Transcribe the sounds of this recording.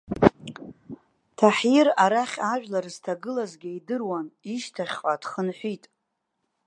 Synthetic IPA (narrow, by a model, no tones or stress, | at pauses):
tʰaħjiraɾaχʲaʒᶣlarz̥tʰaɡɨlazɡʲaidɨrwaniʃtʰaχʲqʷʼad̥χənħʷitʼ